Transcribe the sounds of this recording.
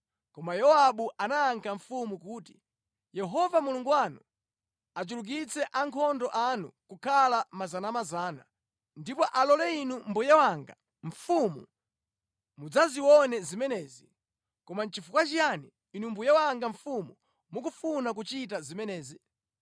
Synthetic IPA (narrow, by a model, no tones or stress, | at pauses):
kɔmajɔaɓuʔanaːŋkʰaɱfumukuːti | jɛɦɔvamuluŋɡuwanu | at͡ʃuluk̬it͡sʰɛʔaŋkʰɔndɔʔanṵkukʰalamazanamazaːna̰ | ndipɔʔalɔlɛinumbujɛwaŋɡa̰ | ɱ̩fumu | mud͡zaziwɔnɛzimɛnɛːzi | kɔmant͡ʃifukwat͡ʃijani | inumbujawaŋɡaɱfumu | muk̬ufunak̬ut͡ʃitazimɛnɛːzi